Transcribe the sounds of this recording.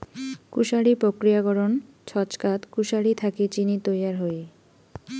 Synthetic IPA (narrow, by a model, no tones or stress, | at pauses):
kuʃaɽipɾokɾijaɡɔɾon | t͡ɕʰɔt͡ɕkat̪kuʃaɽit̪ʰakit͡ɕinit̪ojaɾɦoe